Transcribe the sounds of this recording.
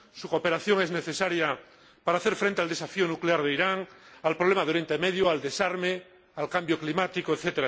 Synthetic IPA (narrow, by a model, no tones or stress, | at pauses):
sukope̞ɾaθjoŋezneθesaɾja | paɾaːθe̞ɾfɾent̪e̞ald̪esafionukleaɾð̞eiɾaŋalpɾoβlemaðeojent̪aeme̞ðjoald̪e̞saɾme | alkambjoklimat̪ikoeθet̪eɾa